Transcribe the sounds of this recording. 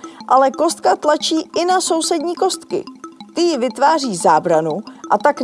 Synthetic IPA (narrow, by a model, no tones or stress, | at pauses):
ʔalɛko̞st̪̚kat̪lat͡ʃiːʔɪnaso̞wsɛdɲiːko̞st̪kɪ̰t̪ɪjɪvɪt̪vaːr̝iːzaːbɾanuʔat̪ak